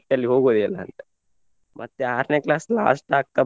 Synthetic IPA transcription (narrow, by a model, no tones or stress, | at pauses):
ʈ̪jɐlːiɦoːɡoːd̪iɐlːa̰ːnt̪ɐ̥ | mʔɐt̪ːeaːɾneklaːsla̰ːsʈaːk̚t̪ɐ